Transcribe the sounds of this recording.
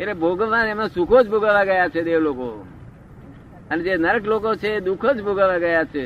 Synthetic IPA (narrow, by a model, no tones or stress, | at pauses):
elebʱoɡəʋãemãsukʰod͡ʒbʱoɡaʋaɡəjat͡ʃʰed̪eʋloko̰ | əned͡ʒenəɾəklokot͡ʃʰeːd̪ukʰod͡ʒbʱoɡaʋaɡəjat͡ʃʰe